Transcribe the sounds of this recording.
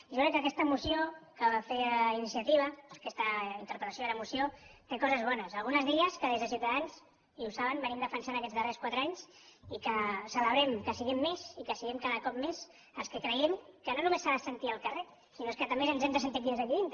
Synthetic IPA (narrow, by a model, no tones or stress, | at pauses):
ʒokɾɛkːəkɛst̪əmusiokəβafeinisiət̪iβ̞əkɛst̪əint̪əɾpɾət̪asjoðeɾəmusiot̪ekɔzəzβɔnəsəlɣunəzðiəskəðezðəs̬iuwt̪əðanz | iusaβənbənimd̪əfənsanəkɛd͡zðərɛskwat̪ɾəaɲsikəsələβɾɛmkəsiɣɛmːezikəsiɣɛmkaðəkɔp̚mez | əlˠskəkɾəjɛmkənonumesaðəsənt̪iəlˠkəre | sinoeskət̪ɐmbezənzɛmd̪əs̬ənt̪it̪binzðəʎiðint̪